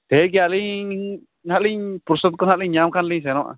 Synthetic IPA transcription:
t̪ɛk̬ijaliɲ | nhaʔliɲpuɾsɔt̪̚kɔnhaʔliɲɲamkʰanliɲs̬ɛnɔʔa̰

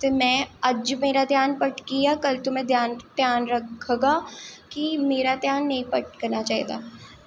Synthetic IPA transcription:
t̪emɛ̃ɐd͡ʒmeːɾad̪ʱjaːnpɐʈkijakɐlt̪ʊmẽd̪ʱjaːnd̪̥ʱjaːnɾɐkʰːɡakimeːɾad̪ʱjaːnːɐɦĩpɐʈ̚kɐɾnat͡ʃaːɦḭd̪a̰ː

